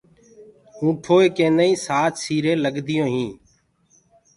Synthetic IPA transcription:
ũːʈʰoːeːkẽːnəĩːsaːt͡ʃsiːɾẽːləɡd̪ɪjõːɦĩː

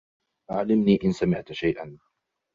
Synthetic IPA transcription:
ʔaʕlɪmniːʔɪnsamɪʕt̪ʃajʔa̰n

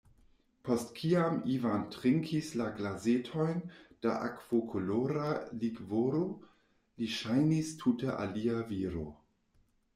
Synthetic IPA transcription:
pʰostkʰiamivantɾiŋkʰislaɡlazetʰo̞jnd̥a̰ʔa̰kv̥okʰoloɾaliɡvoɾo | liʃajnistʰuteʔa̰liaviɾo̰

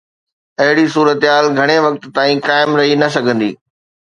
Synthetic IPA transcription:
ɐɦɪɽisuːɾət̪ɦaːlɡʱɐɽ̃eʋɐk̚t̪̆ːaːĩkaːɪmɾɐɦinɐsɐɡʱə̃nd̪ḭː

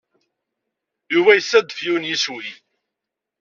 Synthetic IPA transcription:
juvæjəsːæd̪fjuwnjiswi

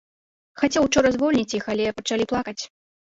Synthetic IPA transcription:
xat͡sʲɛwwt͡ʂɔɾɐzvɔlʲnʲit͡sʲjixalʲɛpɐt͡ʂalʲiplˠakɐt͡sʲ

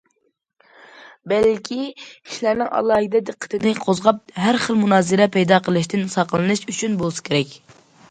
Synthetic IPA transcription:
bɛlkʲʰii̥ʃlæɾnɪŋʔɑ̰lˠɑːɦid̪ɛd̪əqʰːə̥t̪ʰɨnɪqʰozʁɑp̚ɦæɾχəlˠmunɑːzɨɾɛpʰɛjd̪ɑqʰəlˠɨʃt̪ɪnsɑqəlˠɨnɨʃyt͡ʃʰynbolˠsɨ̥kʲʰeɾɛkʲ

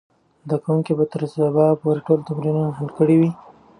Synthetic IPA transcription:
zd̪akawuŋkibat̪əɾzabɑpoɾeʈolt̪amɾinunaɦalkəɽiwi

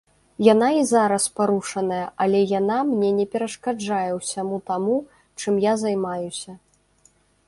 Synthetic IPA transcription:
jan̪aizaɾɐspaɾuʂɐn̪ɐjɐʔɐlʲɛjanamnʲɛnʲɛpʲɛɾɐʂkad͡ʐajɛwsʲamut̪amu | t͡ʂɨmjazajmajusʲɐ

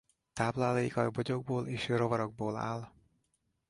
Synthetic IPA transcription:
t̪aːblaːlɒikɒjboɟo̞ɡ̚boːleːʃrovɒɾoɡ̚boːla̰ːl

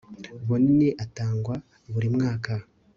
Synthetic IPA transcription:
βoniniʔataːŋɡwa | βuɾimŋaːka

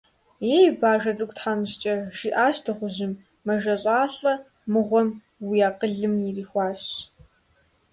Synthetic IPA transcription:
jebaːʒɐtʼɨkʷʼtħaːmɕt͡ʃʼɐʒ̥iːʔaːɕtʰɨʁʷʊʑɪmː | ɐʒɐɕʼaːɬʼɐ | mɨʁʷɔm | wijaːqəɮɨmjiriːxʷɑːɕ

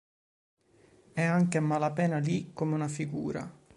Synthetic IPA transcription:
ɛaŋkemalapɛːnalikːomeunafiɡuːɾa̰

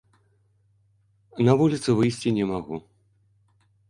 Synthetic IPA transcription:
nɐvulʲit̪sɨvɨjsʲt͡sʲinʲɛmaɣu

